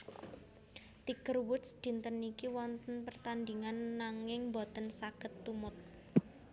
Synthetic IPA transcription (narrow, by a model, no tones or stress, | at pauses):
t̪ikərwut̪sd̪̥i̤nt̪ənikiwɔnt̪ənpərt̪and̪iŋanːaŋɪŋmbot̪ənsaɡ̥ə̤t̪ːumʊt̪̚